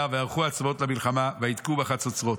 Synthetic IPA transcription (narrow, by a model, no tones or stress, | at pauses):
aveaʁχuat͡svo̞tlamilχamaveidkubeaχat͡sot͡sʁo̞t